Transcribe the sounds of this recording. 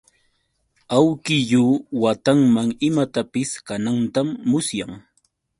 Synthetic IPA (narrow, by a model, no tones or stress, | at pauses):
awkɪʎuːwat̪aŋmaŋɪmat̪apɪskanant̪amːʊsjaŋ